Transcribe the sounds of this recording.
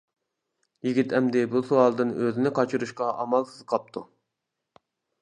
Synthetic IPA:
jiɡʲit̪ʰɛmd̪ɪbusuɑlˠd̪ɨnøzɪnɪqʰɑt͡ʃʰuɾuʃqɑʔɑmɑlˠsɨzqʰɑp̚t̪ʰu

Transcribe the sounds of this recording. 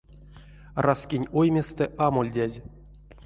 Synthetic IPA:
raskʲinʲojmʲest̪ɛʔamolʲdʲæzʲ

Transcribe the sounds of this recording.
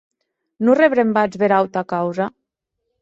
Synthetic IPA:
nureβɾembad͡zβeɾawt̪akawza

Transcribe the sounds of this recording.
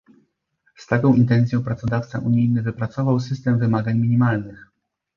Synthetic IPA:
st̪akɔ̃w̃ʔint̪ɛnt̪sʲjɔ̃w̃pɾat̪sɔd̪aft̪sa̰ʔuɲijnɘvɘpɾat̪sɔvawsɘst̪ɛmvɘmaɡaɲmʲiɲʲimalnɘx

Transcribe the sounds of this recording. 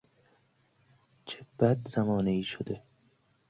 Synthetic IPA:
t͡ʃʰebæd̪zæmɒːneiːʃod̪e

